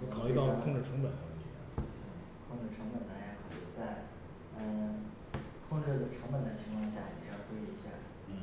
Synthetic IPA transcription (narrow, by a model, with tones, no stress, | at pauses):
kʰɑ˨˩ʊi˥t̪ɑ˥ʊ˧˥kʰʊ˥˧ŋʈ͡ʂɻ̩˥˩ʈ͡ʂʰɤ˧˥ŋpə˨˩n˥˩i˥˩j̰̩˥˩˥ | kʰʊ˥˧ŋʈ͡ʂɻ̩˥˩ʈ͡ʂʰɤ˧˥ŋbə˨˩nt̪a˧˥ɛ˧˥kʰɑ˨˩ʊi˥˩t͡sa˥˩ɪ | ə˧˩ | kʰʊ˥˧ŋʈ͡ʂɻ̩˥˩˨ʈ͡ʂʰɤ˧˥ŋpə˨˩nd̪ə˩t͡ɕʰi˧˥ŋkʰwɑ˥˧ŋɕja˥˩ɛ˨˩jɑ˥˩ʊtu˥i˥˩i˧˥ɕja̰˥˩˥